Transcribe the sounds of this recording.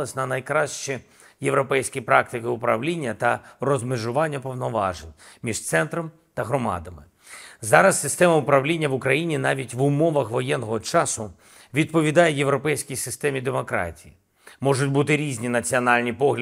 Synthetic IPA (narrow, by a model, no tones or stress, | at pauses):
ɐsʲnɐnɐjkɾɑʃt͡ʃɛ | je̞ʋɾɔpɛjsʲkʲipɾɑkt̪ɪkɪʊpɾɐʋlʲinʲːɐt̪ɐrɔzmɪʒʊʋɑnʲːɐpɔʋnɔʋɑ̰ʒenʲmʲiʒt̪sɛnt̪ɾɔm | t̪ɐɦɾɔmɑ̰d̪ɐmɪ | zɑɾɐsːɪst̪ɛmɐʊpɾɐʋlʲinʲːɐʋʊkɾɐjinʲinɑʋʲitʲʋʊmɔʋɐxʋɔjɛnːɔɦɔt͡ʃɑsʊ | ʋʲid̪̚pɔʋʲid̪ɑjejeʋɾɔpɛjsʲkʲijsɪst̪ɛmʲid̪emɔkɾɑ̰tʲiji | mɔʒʊtʲbut̪ɪɾʲizʲnʲinɐt͡sʲiɔnɑlʲnʲipɔɦlʲ